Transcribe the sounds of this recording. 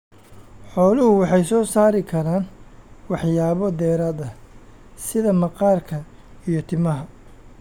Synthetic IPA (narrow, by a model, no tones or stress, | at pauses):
ħɔːlɪhʊwɑħɑjsɔːsaːɾɪkʰɐɾaːnwɑħjaːβɔd̪ɛːɾaːd̪ɐ | sɪðɐmɐqɑːrkʰɐ | ijɞt̪ʰɪmɐɦɐ